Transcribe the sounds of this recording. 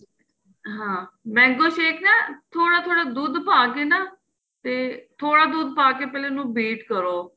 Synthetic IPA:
ɦãːmɛ̃ːŋkoːʃeːkʰnaːt̪ʰoːɽaːt̪ʰoːɽaːd̪uːd̪paːkeːnaː | t̪eːt̪ʰoːɽaːd̪uːd̪̚paːkeːpɛːleːnũːbeːʈkəɾoː

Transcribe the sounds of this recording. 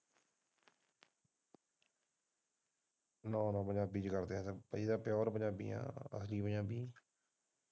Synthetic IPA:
nɔ̃ːnɔ̃ːbəɲãːbiːd͡ʒkəɾd̪ẽːt̪ːpəiːd̪aːpjɔːɾbəɲãːbḭːjã̰ːə̰sliːbəɲãːbiː

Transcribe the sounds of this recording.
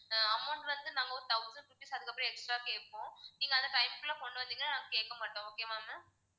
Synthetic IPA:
ɐmːɐɳɖʋɐnd̪ɯnaːŋɡɐoːt̪ɐʊsɐɳɖɾupːisɐðɯkːɐpːɾĩɛksʈɾaːkeːʈpːõːniːŋɡɐnd̪ɐʈɐɪmkɯlɐkɔɳɖɯʋɐnd̪iːŋɡɐnanaːŋɡɐkeːʈ̚kːɐmaːʈːõoːkemaːmɐ

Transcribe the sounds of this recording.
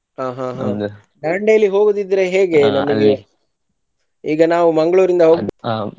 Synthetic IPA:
aːɦãːɦː | d̪ɐɳɖejɐlːiɦo̞ːɡud̪id̪ːɾe̞ɦeːɡe̞nɐnɐi | iːɡɐnaːʋumɐŋɡɐɭuːɾind̪ɐɦoːɡbe

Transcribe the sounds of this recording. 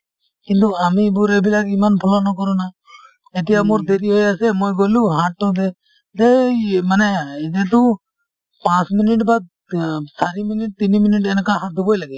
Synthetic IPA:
kint̪̬ukamibuɾɛbilaɡimanpʰɔlɔnɔkɔɾɔna | ɛʈijamuɾd̪ɛɾiɦɔjasɛmɔjɡoluɦãʈːɔd̪ɛ | d̪ɛmanɛid̪et̪u | pãsminiʈ̬bad̪̚ | saɾiminiʈ̚t̪iniminiʈ̬ɛnkaɦad̪ubɔjlaɡɛ

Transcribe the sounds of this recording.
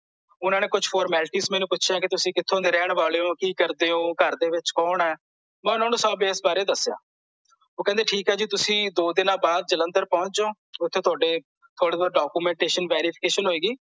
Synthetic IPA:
ʊnãːneːkʊd͡ʒfʰɔːɾmɛːlʈiːsmɛ̃ːnũːpʊt͡ʃʰãːkɪt̪ʊsĩːkɪt̪ʰːõːd̪eːɾɛːɽʋaːleːõːkiːkəɾd̪eːõːkəɾd̪eːʋɪt͡ʃkɔːnɛː | mɛ̃ːʊnaːnũːsaːbeɪsbaːɾeːd̪əsːja̰ː | oːkɛ̃ːd̪eːʈʰiːkɦɛːd͡ʒiːt̪ʊsĩːd̪oːd̪ɪnãːbaːd̪̚d͡ʒələ̃nd̪əɾpɔ̃ʊ̃t͡ʃd͡ʒõː | ʊt̪ʰːeːt̪ʰʊaːɖeː | t̪ʰoːɽeːaːɾɖaːkuːmɛ̃ːɳʈeːʃənʋɛːɾiːpʰɪ̥keːʃənɦoːeːɡiː

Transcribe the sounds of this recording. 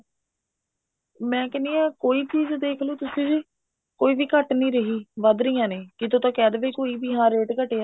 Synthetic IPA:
mɛ̃ːkɛːniːãːkoːiːt͡ʃiːzd̪eːkʰlõːt̪ʊsĩːd͡ʒi | koːiːʋiːkəʈnĩːɾəɦiːʋəd̪ɾijãːneːkɪt̪oːt̪ãːkɛːd̪ʋeːkoːiːbiːɦãːɾeːʈkəʈeːaː

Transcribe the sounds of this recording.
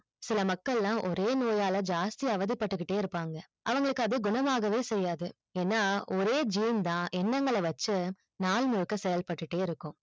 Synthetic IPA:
sɪlɐmɐkːɐɭlãːʔɔɾeːnoːjaːlɐd͡ʒaːst̪iɐʋɐðɪpːɐʈːɯkːɪʈːeːɪɾɯpːaːŋɡɐ | ʔɐʋɐŋɡɐɭɯkːɯɐðɯɡʊɳɐmaːɣɐʋeːsɛjːaːðɯ | eːnːaːɔɾeːd͡ʒiːmd̪ãːʔɛnːɐŋɡɐɭɐʋɐt͡ʃːɯ | naːɭnʊɻkːɐsɛjɐlpɐʈːɯʈːeːɪɾɯkːʊ̃

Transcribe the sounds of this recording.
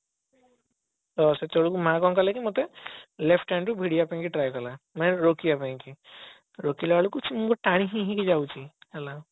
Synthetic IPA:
dɔset̪oɽukumãkɔnkɔlakimot̪elepʰʈːanʈubʱiɽiaapaĩk̬iʈɾajkɔlamanɛɾokiapaĩki | ɾokilaalukut͡ʃʰimukɔʈaɽ̃ĩɦĩɦĩkid͡ʒawt͡ʃʰihɛla

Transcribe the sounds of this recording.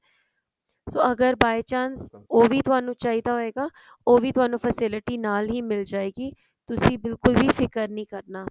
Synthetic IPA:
soːəɡəɾbaːjt͡ʃaːnsoːʋiːt̪ʊaːnũːt͡ʃaːɦiːd̪aːɦoːeːɡaː | oːʋiːt̪ʊɦaːnũːpʰəsɪlɪʈiːnaːlɦiːmɪld͡ʒaːeːɡiː | t̪ʊsĩːbɪlkʊlʋiːfʰɪkəɾnĩːkəɾnaː

